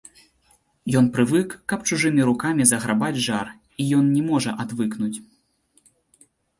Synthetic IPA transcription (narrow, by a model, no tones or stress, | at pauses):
jɔn̪pɾɨvɨkːɐp̚t͡ʂuʐɨmʲiɾukamʲizɐɣɾabad͡zʲʐar | ijɔnnʲɛmɔʐɐ̰ʔad̪vɨknut͡sʲ